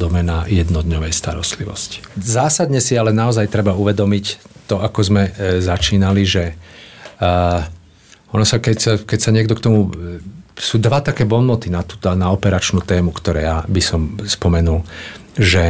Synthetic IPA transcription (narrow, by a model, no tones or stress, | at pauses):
d̪ɔmɛnajɛd̪nɔd̪ɲɔʋɛjst̪aɾɔ̰st̪liʋɔ̰sci̥zaːsad̪ɲɛsialɛnaɔzajt̪ɾɛbauʋɛd̪ɔmict̪ɔakɔzmɛzat͡ʃiːnaliʒɛ | ɔnɔsakɛcsakɛcsaɲɪɛɡd̪ɔkt̪ɔmu | suːd̪ʋat̪akɛːbɔnmɔt̪inat̪u̥ːt̪ɔnaɔpɛɾat͡ʃnuːt̪ɛːmukt̪ɔɾɛ̰ːjabisɔmspɔmɛnulʒɛ